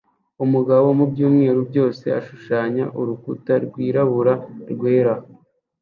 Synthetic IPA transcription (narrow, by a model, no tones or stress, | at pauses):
umuɡaβo̞mubɟuːmŋeːɾubɟo̞ːse̞aʃuʃaːɲaʔuɾukutaɾɡwiːɾaβuɾaɾɡweːɾa